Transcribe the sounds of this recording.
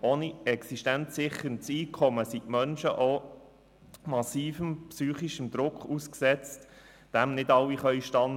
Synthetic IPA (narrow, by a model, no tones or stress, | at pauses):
oːniɛksiʃtænsɪχəɾnsiːkʰɔməsitmœnʃəʔo | mɑsiːfəmpsyːχiʃəmd̪ɾʊkχusksɛt͡st | d̥æmnɪdɑlwːiχœʏʃtɑn